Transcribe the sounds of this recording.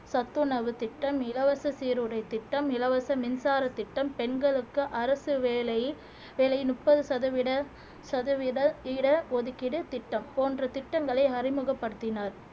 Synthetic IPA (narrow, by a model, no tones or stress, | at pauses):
sɐt̪ːɯnɐʋɯt̪ɪʈːɐmɪlɐʋɐsɐsiːɾɯɽɐɪt̪ːɪʈːɐmɪlɐʋɐsɐmɪnsaːɾɐt̪ːɪʈːɐmpɛɳɡɐɭɯkːɯʔɐɾɐsɯʋeːlɐj | ʋeːlɐjnʊʈpːɐðɯsɐðɐʋɪɽɐ | sɐðɐʋɪɽɐɪɽɐʋɔðɯkːɪɽɐt̪ɪʈːɐmpoːndrɐt̪ɪʈːɐŋɡɐɭɐɪɐrɪmɯɣɐpːɐɽɯt̪ːɪnaːɾ